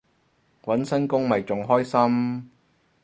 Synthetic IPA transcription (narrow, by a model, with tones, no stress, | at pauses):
wɐ˨˥nsɐ˥nkʊ˥ŋmɐ˨jt͡sʊ˨ŋɦɔː˥jsɐ˥m